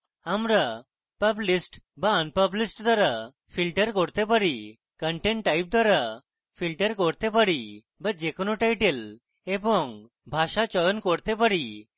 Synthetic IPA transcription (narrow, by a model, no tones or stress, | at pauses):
amɾa | pəblisʈbaənpəblisʈd̪waɾa | pʰilʈəɾkoɾt̪epaɾi | kəɳʈeɳʈʈːajp̚d̪waɾa | pʰilʈəɾkoɾt̪epaɾi | bad͡ʒekonoʈajʈel | ebɔŋ | bʱaʃat͡ʃɔjɔnkoɾt̪epaɾi